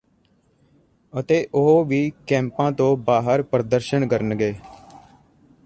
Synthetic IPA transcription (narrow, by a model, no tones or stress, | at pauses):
ət̪eːʔʊɦoːʋiːkɛ̃ːmpãːt̪õːbaːɦəɾpəɾəd̪əɾʃəɳkəɾənɡeː